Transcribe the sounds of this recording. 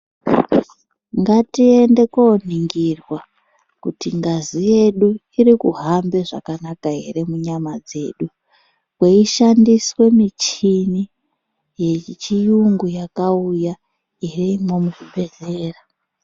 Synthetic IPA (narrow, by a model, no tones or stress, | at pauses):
ŋɡatie̞nde̞kon̤iŋɡirwa | kutiŋɡazije̞ɗu | irikṵɦambe̞ʐa̰kanakaɦe̞̰ɾe̞muɲamad͡ze̞ːɗu | kweiʃandiswe̞mit͡ʃini | jet͡ʃijuŋɡujakauja | iriimo̞muʐiɓe̞ɮe̞ːra